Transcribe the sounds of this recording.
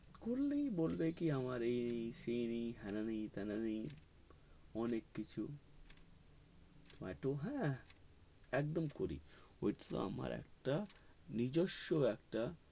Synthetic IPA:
kulːejbolbekiamaɾejnijsejnijɦɛnanijt̪ɛnani | ɔnekːit͡ɕʰu | ba̰ʈoɦɛ̃ | ɛk̚d̪omkoɾḭojʈi̥t̪o̰a̰ma̰ɾɛ̰k̚ʈa | nid͡ʑoʃːoɛkʈa

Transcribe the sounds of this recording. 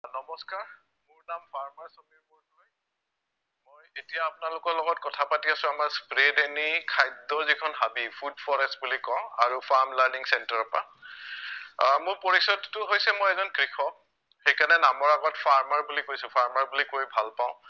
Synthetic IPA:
nɔmɔskaɹ | mʊɹnampʰaɹmaɹsomiɹbɔɹnɔj | mojetijaːpʊnalʊkɔɹlɔɡɔtkɔtʰapatiasʊ̃amaɹspɹedenikʰajdɔɹzikʰɔnɦabipʰudpʰɔɹɛstbulikɔʊ̃aɹupʰaɹmlaɹniŋsɛntaɹɔpa̰ | mʊɹpoɹisɔtːʊɦojsɛmojɛzɔnkɹikʰɔ | xejkanɛnamɔɹaɡɔtfʰaɹmaɹbulikojsʊpʰaɹmaɹbulikojbʱalpãʊ̃

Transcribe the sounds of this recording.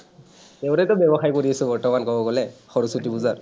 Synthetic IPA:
teʊtɛtʊbɛbɔxajkoɹiasʊ̃bɔɹtɔmankɔbɔɡɔlɛxɔɹusutibuzaɹ

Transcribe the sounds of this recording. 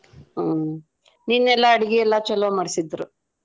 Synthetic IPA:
ninːɛlːɐːɽiɡɛɛlːat͡ʃɛlːomaːɽisid̪ɾu

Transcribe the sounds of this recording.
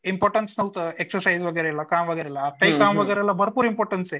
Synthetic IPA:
impoːɾʈɐnsnɐʋt̪eksɐɾsajzʋɐɡɛɾeɛlːɐkaːmʋɐɡɛɾeɛlːaːt̪ːɐjkaːmʋɐɡɛɾelːɐbʱɐɾpuːɾimpoːɾʈɐnse

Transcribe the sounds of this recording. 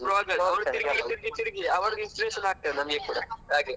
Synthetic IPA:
pɾɐʋaːɡɐɭɐʋɐɽuiɾɡit̪iɾɡit̪iɾiɡiɐʋɐɽɡinspiɾeʃɐnaːɡ̚t̪ɐðenɐmɐɡekuːɽɐ̰aːɡe

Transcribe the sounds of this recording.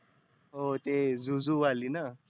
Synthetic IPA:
ɦot̪ezuzuʋalina

